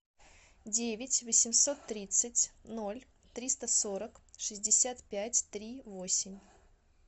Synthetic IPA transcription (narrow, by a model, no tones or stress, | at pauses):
dʲevʲɪtʲvəsʲɪmso̞t̪ːɾʲit̪sɨtʲno̞lʲ | t̪ɾʲist̪əsoɾəkʂɨzʲdʲɪsʲat̪pʲætʲt̪ɾʲivo̞sʲɪmʲ